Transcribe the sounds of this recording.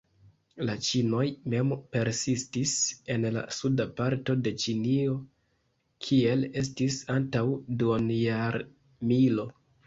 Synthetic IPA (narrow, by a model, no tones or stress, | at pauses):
lat͡ʃino̞jme̞mpe̞ɾsistise̞nla̰sudapaɾto̞de̞t͡ʃinio̞ | kʰie̞le̞stisantawduonjaɾ | milo̞